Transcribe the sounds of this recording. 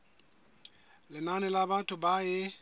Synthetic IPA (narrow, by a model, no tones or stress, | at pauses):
lɪnanɪlabatʰʼʊbaɪ